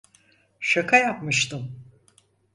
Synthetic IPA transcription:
ʃakʰajapmɯʃt̪ʰɯm

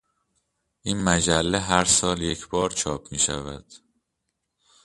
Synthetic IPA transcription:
ʔiːnmæd͡ʒælːeɦæɾsɒːlje̞cʰb̥ɒːɾt͡ʃʰɒːpʰmiːʃæ̰væ̰d̪̥

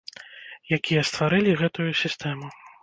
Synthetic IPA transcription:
jakʲijɐst̪vaɾɨlʲiɣɛt̪ujusʲist̪ɛmu

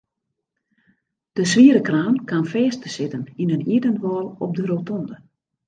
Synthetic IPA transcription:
d̥əsʋiəɾəkraːnkanfɛːəstəsɪtəninəniədənʋɔːlˠɔp̚dəɾotɔndə

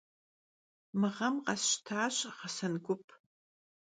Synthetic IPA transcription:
mɨʁɐmqɐsɕtʰaːɕʁɐsɐnɡʷʊpʰ

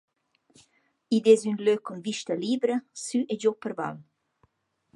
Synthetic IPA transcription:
id̪ezynløkɔnviʃt̪əliːbɾəsyʔed͡ʒopəɾva̰l

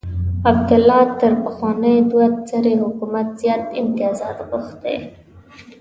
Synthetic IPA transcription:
ab̚d̪ʊlːɑt̪əɾpəxwɑnəjd̪wat̪t͡səɾehʊkumat̪z̥jɑt̪ɪmt̪ɪjɑzɑt̪ɣʊxt̪ḛ

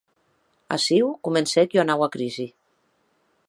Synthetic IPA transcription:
a̰siwkumensɛkjianawakɾizi

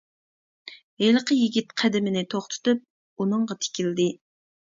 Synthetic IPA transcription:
ɦelqəjiɡʲit̪qʰæd̪ɪmɪnɪt̪ʰoχt̪ʰʊ̥t̪ɨp̚ | unɨɴʁɑt̪ʰe̥kʲʰild̪ɪ

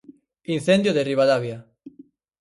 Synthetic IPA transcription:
inθend̪joðeriβaðaβja

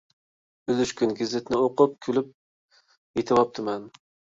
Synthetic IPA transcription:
ylyʃkʲynɡʲɪzɪt̪nɪoqʊp̚kʲʰylyp̚ | jet̪ʰɪwɑp̚t̪ʰɨmɛn

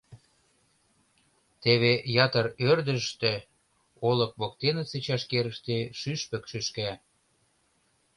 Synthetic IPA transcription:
t̪eβejɑt̪ərørd̪ə̆ʃt̪ĕ | olɤ̆k̚βokt̪enə̆t͡set͡ɕɑʃkeɾə̆ʃt̪eʃyʃpə̆kʃyʃkæ

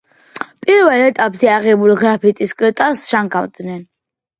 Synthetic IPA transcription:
pʼiɾvɛlɛt̪ʼapʼzɛaʁɛbuliɡɾapʰit̪ʼiskʼɛt̪ʼasʃaŋkʰʼawd̪nɛn

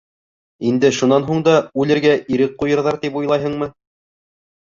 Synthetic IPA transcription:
ind̪ɘʃunɑnɦuɴd̪ɑʉlɘ̆ɾɡæʔiɾɘk̚qːujɤ̆ɾðɑɾt̪ipujlˠɑjɦɤ̆ɴmɤ

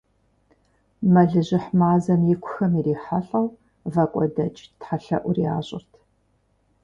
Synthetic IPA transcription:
mɐɮɨʑɪħmaːzɐmjɪkʷʰʊxɐmiɾiːħaɬʼɐw | vɐkʷʼɔ̰dɐt͡ʃʼtħaɬɐ̰ʔʷʊria̰ːɕʼɪ̰rtʰ

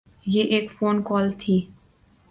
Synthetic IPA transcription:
jeːʔeːkfoːnkɔːlt̪ʰiː

